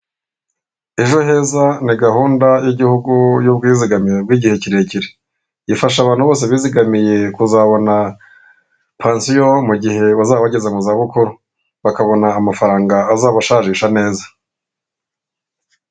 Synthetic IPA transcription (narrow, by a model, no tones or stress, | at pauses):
e̞ʒo̞ɦe̞zaniɡahuːndajiɟihuɡujub̚ɡiːziɡamiɾebɡwiːɟihe̞ciɾe̞ciɾe | jifaʃaβaːn̥huβoːs̬eβiːziɡamije̞kuzaβo̞na | pʰaːnsijomuɟihe̞βazaːβaɟe̞zamuzaβukuɾu | βakaβo̞naːmafaɾaːŋɡaːzaːβaʃaʒiʃane̞ːza